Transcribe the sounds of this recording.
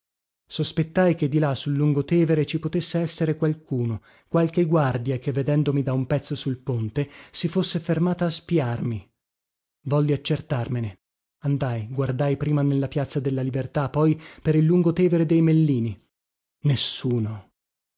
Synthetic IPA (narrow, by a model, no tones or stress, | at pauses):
sospet̪ːajk̟ed̪ːilasulːuŋɡot̪ɛːveɾet͡ʃipot̪esːeɛsːeɾekwalkuːno | kwalkeɡward̪jakevːed̪ɛnd̪omid̪aumpɛt̪sːosulpont̪esifosːefermaːt̪aːspiarmi | vɔlːiat͡ʃːert̪armene | and̪ajɡward̪ajpɾiːmanelːapjat̪sːad̪elːalibert̪apːɔjpeɾilːuŋɡot̪ɛːveɾed̪ejmelːiːni | nesːuːno